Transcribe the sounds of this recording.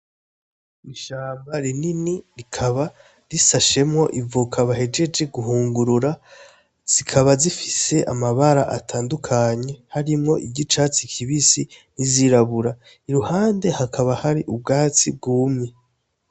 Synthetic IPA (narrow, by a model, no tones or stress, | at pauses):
iʃaːmbaɾininiɾikʰaβa | ɾisaʃe̞mŋo̞ʔivukʰaβaɦe̞d͡ʒe̞d͡ʒe̞ɡuɦuːŋɡuɾuɾa | z̥ikʰaβazifise̞ʔamaβaɾaʔatʰaːndukʰaɲe̞haɾimŋo̞ʔiɟit͡ʃat͡sikʰiβisiniziɾaβuɾa | iɾuhaːnde̞hakʰaβahaɾiʔub̚ɡaːt͡sib̚ɡuːmi